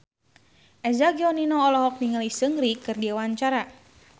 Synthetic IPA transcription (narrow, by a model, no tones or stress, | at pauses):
ʔɛzaɡiɔninɔɔlɔɦɔk̚niŋəlisəŋɾikɨrdiawaɲt͡ʃaɾa